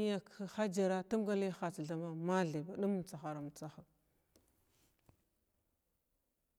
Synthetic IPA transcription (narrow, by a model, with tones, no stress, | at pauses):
ja˨kxa˦d͡ʒa˨ɾa˦ta˦m˦ɡa˦le˦xa˨t͡sɮa˨ma˦ma˦ɮe˨ba˨ɗu˦m˦˨t͡sa˨xa˨ɾa˨m˨t͡sa˦xa˨